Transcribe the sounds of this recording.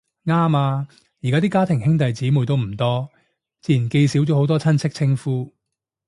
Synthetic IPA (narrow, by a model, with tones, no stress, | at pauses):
ŋaː˥maː˧ | ji˨˩kaː˦˥t̪i˥kaː˥t̪ʰɪ˨˩ŋhɪ˥ŋt̪ɐ˨jt͡siː˨˥muː˨˩jt̪o˥wm̩˨˩t̪ɔː˥ | t͡siː˧˥ji˨˩nke˧jsi˨˥wt͡ʃɔ˨˥ho˨˥wt̪ɔː˥t͡sʰɐ˥nt͡sʰɪ˥k̚t͡sʰɪ˥ŋfuː˥